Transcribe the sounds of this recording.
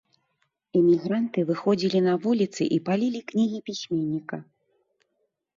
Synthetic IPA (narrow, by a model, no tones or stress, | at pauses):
ɛmʲiɣɾant̪ɨvɨxɔd͡zʲilʲinɐvulʲit̪sɨ̰ʔipalʲilʲiknʲiɣʲipʲisʲmʲenʲːikɐ